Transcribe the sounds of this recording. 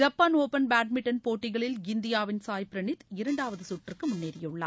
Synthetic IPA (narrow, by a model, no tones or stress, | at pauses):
d͡ʒɐpːaːnoːpɐnbaːʈ̚mɪʈːɐnpoːʈːɪɣɐɭɪlɡɪnd̪ɪjaːʋɪnsaːjpɪɾɐɳɪt̪ɪɾɐɳɖaːʋɐðɯsuʈːrɪrkɯmʊnːeːɾɪjɯɭːɐ̰